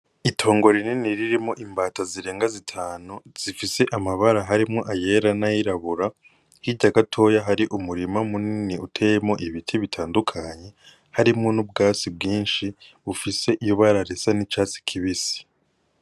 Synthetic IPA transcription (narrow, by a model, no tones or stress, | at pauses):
itʰo̞ːŋɡo̞ɾininiɾiɾimoʔimbaːtaziɾe̞ːŋɡazitʰaːnuz̥ifise̞ʔamaβaɾaɦaɾimŋo̞ʔaje̞ɾanajiɾaβuɾa | hiɟaɡatʰo̞jaɦaɾiʔumuɾimamuniniutʰejemo̞ʔiβitʰiβitʰaːndukʰaɲe̞ | haɾimŋonub̚ɡaːt͡sibɡiːnʃiβufise̞ʔijuβaɾaɾesanit͡ʃaːt͡si̥kʰiβisi̥